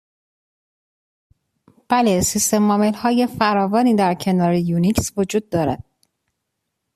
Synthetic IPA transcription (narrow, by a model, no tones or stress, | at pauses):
b̥ælesist̪e̞mːɒːmelhɒːje̞fæɾɒːvɒːniːd̪æɾcʰe̞nɒːɾejuːnicsvod͡ʒuːd̪̚ːɒːɾæ̰d̪̥̚